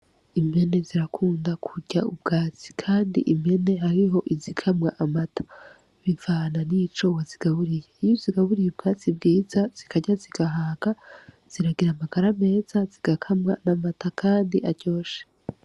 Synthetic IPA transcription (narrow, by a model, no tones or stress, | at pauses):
ime̞ne̞ziɾakʰuːndakʰuɟaubɡaːt͡si̥kʰaːndḭʔime̞ne̞ɦaɾiɦo̞ʔizikʰamŋaʔamatʰḁ | βiɱvaːnanit͡ʃowaziɡ̥aβuɾije̞ijuziɡaβuɾijeb̚ɡaːt͡sib̚ɡiːzaz̥ikʰaɟaziɡ̥aɦaːɡa | z̥iɾaɡiɾamaɡ̥aɾame̞ːz̥aziɡ̥akʰamŋanamatakʰaːndiʔaɟo̞ːʃe̥